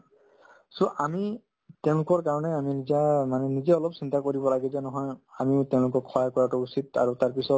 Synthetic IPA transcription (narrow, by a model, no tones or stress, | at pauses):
sɔʔami | tɛʊ̃lʊkɔɹkaɹɔnɛaminizamanɛnizɛɔlɔpsintakoɹibɔlaɡɛzɛnɔɦɔjamiʊtɛʊ̃lʊkɔkʰːɔjakɔɹatuusita̰ɹutaɹpisɔt̚